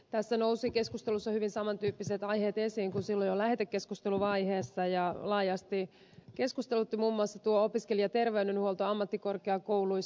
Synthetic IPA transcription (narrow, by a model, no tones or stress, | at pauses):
t̪æsːænowsike̞skust̪elusːɑhyʋinsɑmɑnt̪yːpːiset̪ɑjheːt̪esiːŋkunsilːojolæhet̪ekːeskust̪eluʋɑiheːsːɑjɑlɑːjɑst̪i | ke̞skust̪elut̪ːimuːmːuɑsːɑt̪uoopiskelijɑt̪e̞rʋeynenhuolt̪oɑmːɑt̪ːiko̞rkeɑkoului